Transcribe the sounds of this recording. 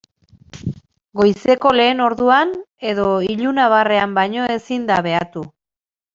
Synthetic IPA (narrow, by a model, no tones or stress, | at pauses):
ɡo̞jse̞ko̞le̞ːno̞ɾðuane̞ðo̞iʎunaβ̞are̞ambajɲo̞e̞sind̪aβ̞e̞at̪u